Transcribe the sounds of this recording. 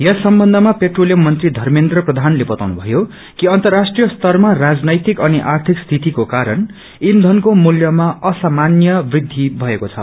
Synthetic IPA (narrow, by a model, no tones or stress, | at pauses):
jʌsʌmbʌnd̪ʱʌmapeʈrolijʌmːʌnt̪rid̪ʱʌrmend̪rʌprʌd̪ʱanlebʌt̪awnubʱʌjo | kiʌnt̪ʌrːasʈrijʌst̪ʌrmarad͡znʌjt̪ikʌniʔart̪ʰikst̪ʰit̪ikokaɾʌn | ind̪ʱʌnkomuljʌmaʌsamanjʌbrid̪ʱːibʱʌekot͡sʰʌ̰